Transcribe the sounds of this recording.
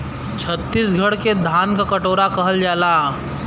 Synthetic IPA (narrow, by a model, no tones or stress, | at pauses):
t͡ʃʰət̪ːisɡʱəɽked̪ʱaːnkakɐʈoːɾakəɦəld͡ʒaːlaː